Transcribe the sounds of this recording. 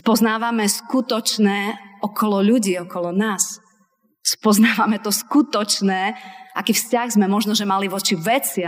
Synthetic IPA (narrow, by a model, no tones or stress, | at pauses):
spɔznaːʋamɛskut̪ɔt͡ʃnɛːɔkɔlɔʎuɟiːɔkɔlɔnaːs | spɔznaːʋamɛt̪ɔskut̪ɔt͡ʃnɛːʔakiːfscaɣzmɛmɔʒnɔʒɛmaliʋɔt͡ʃiʋɛt͡sɪ